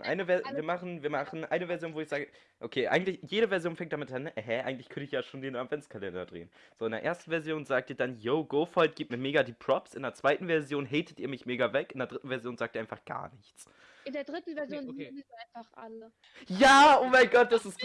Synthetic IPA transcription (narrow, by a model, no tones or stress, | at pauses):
ʔa̰ɪnəvɛɐviːɐmaχn̩viːɐmaχn̩ʔa̰ɪnəvɛɐzjoːnvoːɪçz̥aːɡə | ʔokʰeːʔa̰ɪɡŋ̩tlɪçjeːɾəvɛɐzjoːnfɛŋkt̚d̥amɪtʔanɦɛʔaɪŋ̩tlɪçkʰœntəɪçjaːʃoːndeːnatv̥ɛnt͡skʰalɛndɐ̰dʁḛːən | z̥oːɪndeɐʔḛːɐstn̩vɛɐzjoːnzaːk̚tiːɐdanjoʊɡ̥oːfɔlt̚ɡ̥iːptmiɐmeːɡadiːpʰʁ̥ɔpsʔɪndeːɐt͡sv̥aɪtn̩vɛɐzjoːnɦɛɪtʰətiːɐmɪçmeːɡɐvɛkʔɪndeɐdʁɪtn̩vɛɐzjoːnz̥aːk̚tʔiɐaɪnfaχɡ̥a̰ːɐnɪçt͡s | ɪndeːɐdʁɪtn̩vɛɐzjoːnkːnsaɪnfaχʔa̰lə | jaːʔoːmaɪnɡɔt̚d̥asɪst